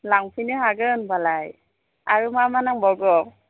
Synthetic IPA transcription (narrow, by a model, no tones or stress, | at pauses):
laŋpʰiniɦaɡɯnbalaj | aɹumamanaŋbɔɡɔ